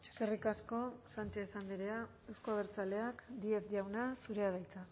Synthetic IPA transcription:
t͡ʃe̥kerikasko̞sant͡ʃeesand̪iɾea | ewskoaβeɾt͡sale̞akd̪iefd̪iawnasuɾe̞aðajt͡sa

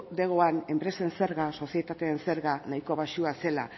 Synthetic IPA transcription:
d̪e̞ɣ̞oane̞mpɾe̞se̞nse̞ɾɣaso̞sijet̪at̪e̞ːnse̞ɾɣanajko̞βaʃuase̞la̰

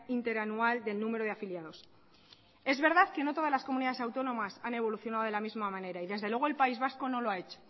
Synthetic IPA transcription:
int̪e̞ɾanuald̪e̞lnume̞ɾoð̞eafiljaðo̞s | e̞zβe̞ɾðaðke̞not̪o̞ðazlasko̞muniðaðesawt̪o̞nõ̞masane̞βo̞luθjo̞naðo̞ðe̞lamizmamãne̞ɾaiðe̞zðelwe̞ɣoe̞lpaizβasko̞no̞loaet͡ʃo̥

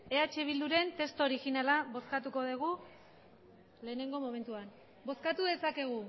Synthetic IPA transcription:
e̞at͡ʃe̞βild̪uɾe̞nt̪e̞st̪oɾixinalaβo̞skat̪uko̞ð̞eɣ̞u | le̞ːne̞ŋɡo̞mo̞me̞nt̪uan | bo̞skat̪uðe̞sake̞ɣ̞u

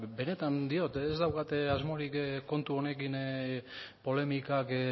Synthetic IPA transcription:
be̞ne̞t̪and̪io̞t̪ezd̪awkat̪azmoɾikkːo̞nt̪uo̞ne̞kin | po̞le̞mikak

